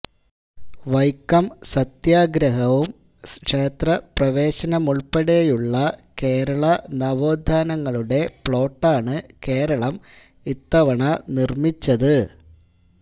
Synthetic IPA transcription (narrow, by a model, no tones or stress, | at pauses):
ʋɐjkːɐmsɐt̪jaːɡɾɐɦɐʋum | kʂeːt̪rɐprɐʋe̞ːɕɐnɐmuɭpɐɽɐjejuɭːɐke̞ːɾɐɭɐnɐʋoːd̪ʱːaːnɐŋːɐɭuɽe̞pɭo̞ːʈːaːɳɨke̞ːɾɐɭɐm | it̪ːɐʋɐɳɐnirmit͡ɕːɐðɨ